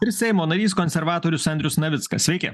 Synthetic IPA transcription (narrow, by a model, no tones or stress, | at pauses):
ɪɾsʲɛɪmoːnɐɾʲiːskɔnʲsʲɛɾʋɑːt̪oːɾʲʊsɐnʲd̪ʲɾʲʊsnɐʋʲɪt̪skɐsʲʋʲɛɪkʲɛ̰